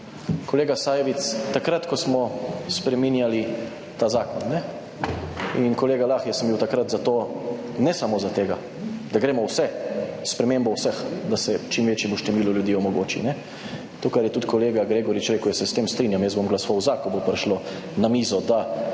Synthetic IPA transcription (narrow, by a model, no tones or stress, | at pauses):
kɔleːɡasaːjɛʋit̪st̪akɾat̪kɔsmɔspɾɛminjali | t̪aːzaːkɔnːɛ | inkɔleːɡalaːxjɛsəmbiwt̪akɾat̪zat̪oː | nɛsamozat̪eːɡa | d̪̥aɡɾeːmɔwsɛspɾɛmeːmbɔwsəxd̪asɛt͡ʃimʋeːt͡ʃjɛmuʃt̪ɛmiːlɔljud̪iːɔmɔɡo̰ːt͡ʃḭnɛ | t̪oːkaɾjɛt̪ut̪kɔleːɡaɡɾeːɡɔɾit͡ʃɾeːkʊjɛsɛst̪eːmst̪ɾiːnjamjɛzbomɡlɐsɔʋawzakɔbopɾɛʃlo | namiːzɔd̪a